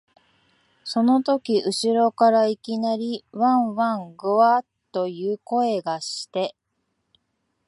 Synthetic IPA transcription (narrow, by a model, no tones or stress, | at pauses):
so̞no̞t̪o̞kʲiʔɯ̟ɕiɾo̞kaɾaikʲinaɾʲiβãɰ̃βãŋɡɯβat̪ːo̞jɯːko̞e̞ɡaɕi̥t̪e̞